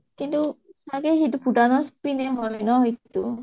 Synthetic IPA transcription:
kint̪usaɡɛɦit̪upudanɔspinɛɦɔjnɔɦit̪u

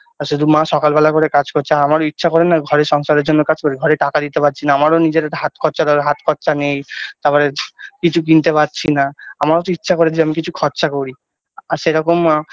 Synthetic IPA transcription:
aɾʃud̪ʱumãʃɔkalbɛlakoɾekad͡ʑkoɾt͡ɕʰaamaɾoitːʃʰakoɾenːaɡʱɔɾeɾʃɔŋʃaɾeɾd͡ʑonːokad͡ʑkoɾiɡʱɔɾeʈakad̪it̪epatːt͡ɕʰinaamaɾonid͡ʑeɾeɾɦat̪kʰɔɾt͡ɕad̪ɔeɦat̪kʰɔɾʃanejt̪aɾpɔɾekit͡ɕʰuk̬int̪epatt͡ɕʰinaamaɾot̪oitːʃʰakoɾed̪ʰʱiamikit͡ɕʰukʰɔɾɕakoɾi | aɾʃeɾɔkom

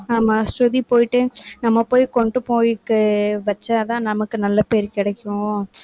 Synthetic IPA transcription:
nɐmɐsʈuðipoːjɪʈːɯnɐmːɐpoːjkɔɳɖɯpoːjɪkːɯʋɐt͡ʃːaðãːnɐmɐkːɯnɐlːɐpeːɾkɪɽɛkʲːʊõ

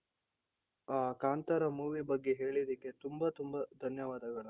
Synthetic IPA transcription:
aːkaːnt̪ɐɾɐmuːʋibɐɡːe̞ɦe̞ːɭid̪ikːe̞t̪umbɐt̪umbɐd̪ʱɐnjɐʋaːd̪ɐɡɐɭɐ

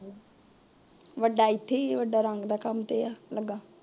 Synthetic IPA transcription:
ʋəɖaːɪt̪ʰːeːʋəɖaːɾəŋɡd̪aːkəmt̪eːaːləɡːaː

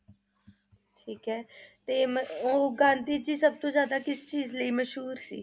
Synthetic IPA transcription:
ʈʰiːkɦɛːt̪eːməoːɡãːnt̪iːd͡ʒiːsəb̚t̪õːzjaːd̪aːkɪst͡ʃiːzləiːməʃɦuːɾsḭː

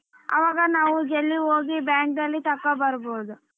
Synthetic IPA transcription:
ɐ̰ʋaːɡɐnaːʋuɡelːioːɡibjaːŋkd̪ɐlːit̪ɐkːɐbɐɾbod̪u

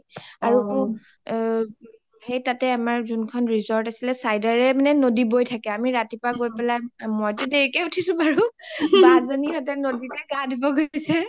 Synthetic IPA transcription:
aɹuku | hejtatɛamaɹzunkʰɔnɹizɔɹtasilɛsajdaɹɛmanɛnodibojtʰakɛamiɹatipɹaɡojpɛlajmɔjtudeɹikɛutʰisʊ̃baɹubazoniɔtɛnoditɛɡadibɔɡojsɛ

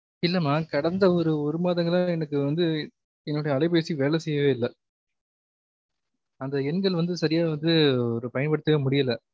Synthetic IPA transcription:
ɪlːɐmːaːkɐɽɐnd̪ɐɔɾɯɔɾɯmaːðɐŋɡɐɭãːɛnɐk̬ːɯʋɐnd̪ɯ | ɛnːɯɽɐjɐɭɐɪpeːsiʋeːlɛsɛjːɐʋeːɪlːɐ | ɐnd̪ɐɛnɡɐɭʋɐnd̪ɯsɐɾɪjaːʋɐnd̪ɯɔɾɯpɐjɐnpɐɽɯt̪ːɯɣɐmʊɽɪjɐlɐ

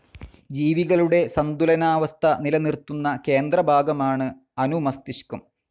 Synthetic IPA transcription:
d͡ʑiːʋiɣɐɭuɽe̞sɐnd̪ulɐnaːʋɐst̪ʰɐnilɐnirt̪ːunːɐke̞ːnd̪ɾɐbʱaːɡɐmaːɳɨ | ɐnumɐst̪iɕkum

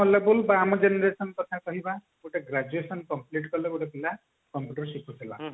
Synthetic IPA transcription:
ɔlebulbaːmɔd͡ʒenɔɾesɔnkɔt̪ʰakɔɦiba | uʈaɡɾad͡ʒuesɔnkɔmpliʈ̬kɔleuʈapila | kɔmpjuʈɔɾsikʰut̪ʰila̰

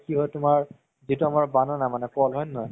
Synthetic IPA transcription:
kiɦɔjtʊmaɹ | zituamaɹbanɔnamanɛkɔlɦɔjnɔj

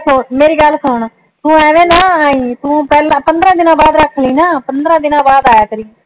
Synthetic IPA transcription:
sʊɳmeːɾiːɡəlːsʊɳ | t̪ũːɛːʋẽːnaːaːĩːt̪ũːpɛːlãːpənd̪ɾãːd̪ɪnãːbaːd̪ɾəkʰːliːnaːpənd̪ɾãːd̪ɪnãːbaːd̪aːjaːk̪əɾiː

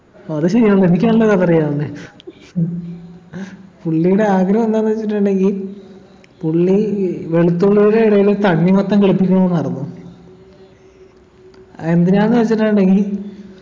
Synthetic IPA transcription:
oɐðɨɕɐɾijaːɳenikʲːɐmɐlːɐðɐðɐrijaːne | puɭːijuɽe̞aːɡɾɐmnːaːnɨʋɐt͡ɕːiʈ̬ːaɳɖe̞ŋɡil | puɭːiʋe̞ɭut̪ːuɭːijuɽe̞iɽɐjilt̪ɐɳːimɐt̪ːɐŋkiɭupːikʲːuɳoʋonːɐrinːu | end̪inaːnːɨʋɐt͡ɕːiʈːaɳɖe̞ŋɡil

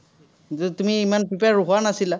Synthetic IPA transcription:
t̪umiːmanpipaɾuɦanasila

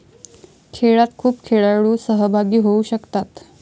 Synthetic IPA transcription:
kʰeɭat̪kʰuːpkʰeɭaɭuːsəɦəbʱaɡiːɦouɕəkt̪at̪

